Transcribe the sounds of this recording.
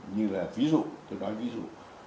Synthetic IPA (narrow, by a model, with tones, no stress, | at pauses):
ɲɨ˧laː˨˩vi˨˦zṵ˧˨t̪o˧nɔ˨˦jvi˨˦zṵ˧˨